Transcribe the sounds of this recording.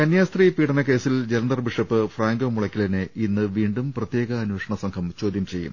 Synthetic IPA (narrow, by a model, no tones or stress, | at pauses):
kɐnjaːst̪riːpiːɽɐnɐke̞ːsild͡ʑelɐnd̪ɐrbiʂɐpːɨfraːŋɡoːmuɭɐkʲːilɐnɨinːɨʋiːɳɖumprɐt̪je̞ːɣɐːnweːʂɐɳɐsɐŋkʰɐmt͡ɕoːd̪jɐmt͡ɕe̞jːṵm